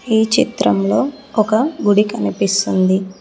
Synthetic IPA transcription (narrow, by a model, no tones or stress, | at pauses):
iːt͡ʃit̪ɾɐmlo̞ːɔkɐɡuɽikɐnipist̪und̪i